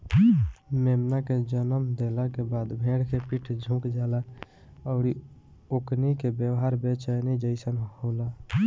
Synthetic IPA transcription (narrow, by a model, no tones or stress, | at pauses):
meːmnaked͡ʒənəmd̪eːlakebaːd̪bʱẽːɽkepiʈʰd͡ʒʱũːkd͡ʒaːla | əʊɾi | oknikebjəwɦaɾbet͡ʃanid͡ʒəɪsənhoːla